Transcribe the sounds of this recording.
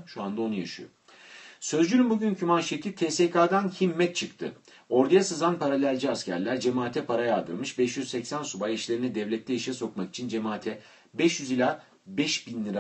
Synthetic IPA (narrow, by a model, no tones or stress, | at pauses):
ʃuand̪ao̞nuja̰ʃɯ̰jo̰ | sø̞zd͡ʒylʲymbuɟʲyncʰymanʃet̪ʰit̪ʰɛːsekʰaːd̪ançimːɛt̪̚t͡ʃʰɯkt̪ʰɯ̰ | o̞ɾd̪ajasɯzanpʰaɾalʲælʲd͡ʒiascʰæ̰ɾlʲæɾd͡ʒemaːt̪ʰɛpʰaɾajad̪ɯ̰ɾmɯʃbɛʃjyzsɛcsænsubajiʃlʲe̞ɾinɛd̪ɛvlʲɛt̪ʰlːʲɛjiʃjɛso̞kmaki̥t͡ʃʰind͡ʒe̞maːt̪ʰɛ | bɛʃjyzilʲaː | bɛʃbinlːʲˠiɾa